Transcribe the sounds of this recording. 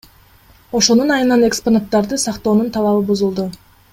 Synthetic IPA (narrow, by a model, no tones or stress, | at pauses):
o̞ʃo̞nunɑjɯnɑne̞ksponat̪ːɑɾd̪ɯsɑqt̪o̞ːnunt̪ʰɑlˠɑβɯbuzulˠd̪u